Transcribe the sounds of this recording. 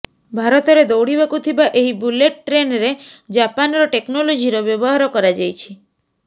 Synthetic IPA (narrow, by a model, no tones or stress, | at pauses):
bʱaɾɔt̪ɔɾed̪owɽibakut̪ʰibaʔeɦibuleʈʈɾenɾed͡ʒapanɾɔʈeknɔlod͡ʒʱiɾɔbjɔbɔɦaɾɔkɔɾad͡ʒajt͡ʃʰi